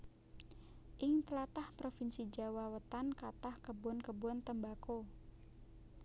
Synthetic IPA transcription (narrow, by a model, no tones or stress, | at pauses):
ʔɪŋt̪əlat̪ahpɾofinsid͡ʒa̤wawət̪ankat̪ahkəbuɔnkəbuant̪əmbako